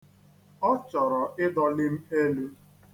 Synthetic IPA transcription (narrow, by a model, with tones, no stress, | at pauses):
ɔ˦t͡ʃɔ˨ɾɔ˨ʔɪ˦dɔ˦lɪ˦m̩˦e˦lu˦